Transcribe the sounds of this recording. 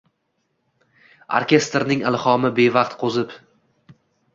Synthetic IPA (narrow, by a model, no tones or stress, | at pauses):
o̰ɾkʲe̞st̪ɾnɪŋɪlˠhɒmɪbe̞vɑqt̪qʰozɪp